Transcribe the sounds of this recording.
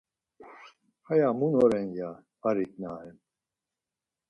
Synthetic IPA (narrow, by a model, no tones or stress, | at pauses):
hajamunɔɾɛnjaː | ɾiknaɛn